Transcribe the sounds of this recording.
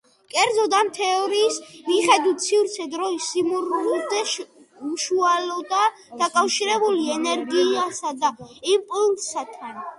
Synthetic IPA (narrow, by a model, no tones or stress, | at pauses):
kʼɛɾd̪zɔd̪amt̪ʰɛɔɾiːsmiχɛd̪it̪sʰivɾt̪sʰɛd̪ɾɔisːimuɾud̪ɛ | mʃualɔd̪a | d̪̥akʼafʃiɾɛbuliɛnɛɾɡiasad̪aipʼulsat̪ʰan